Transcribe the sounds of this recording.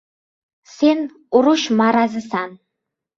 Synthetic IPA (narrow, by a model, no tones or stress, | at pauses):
sen | uɾuʃmaɾazɨsan